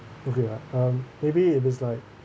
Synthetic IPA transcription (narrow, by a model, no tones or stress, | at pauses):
oʊkʰejaʌ̃mmeɪbiɪɾɪzlaɪk̚